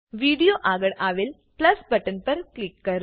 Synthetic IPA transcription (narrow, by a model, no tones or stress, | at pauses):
ʋiɽijoʔaɡəɽaʋeːl | plɐsbəʈənpəɾklikːəɾ